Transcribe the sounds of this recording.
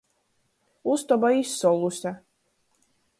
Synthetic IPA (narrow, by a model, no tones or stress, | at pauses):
ust̪ɔbaissɔlˠusʲa